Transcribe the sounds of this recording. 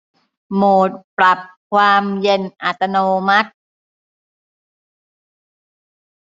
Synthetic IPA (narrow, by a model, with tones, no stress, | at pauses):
moː˨˩t̪̚pɾa˨˩p̚kʰwaː˧mje˧nʔa˨˩t̪ːa˧noː˧ma˦˥t̪̚